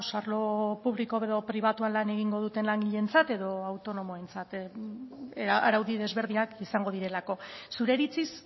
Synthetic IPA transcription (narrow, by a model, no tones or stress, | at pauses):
saɾlo̞puβliko̞βeðo̞pɾiβ̞at̪uanlane̞ɣ̞iŋɡo̞ð̞ut̪e̞nlaŋɡiʎe̞nt͡sat̪e̞ðo̞awt̪o̞no̞mo̞e̞nt͡sat̪ | aɾawðiðe̞zβe̞ɾð̞iakisaŋɡo̞ðiɾe̞lako̞suɾe̞ɾit͡sis